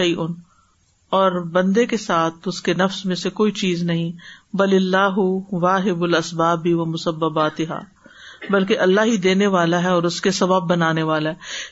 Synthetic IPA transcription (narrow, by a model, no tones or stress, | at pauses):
ʃɐjʔʊn | ɔːɾbɐ̃nd̪ekesaːt̪ʰʊskenɐfsmẽsekoːit͡ʃiːznɐɦĩbɐlɪlːaːɦʊʋaːɦɪbʊlɐsbaːbiʋɐmʊsɐbːɐbaːt̪ɪɦa̰ː | bɐlk̬eʔɐlːaɦɦid̪eːneʋaːlaɦɛɔːɾʊskesɐbəbːɐnaːneʋaːlaɦɛː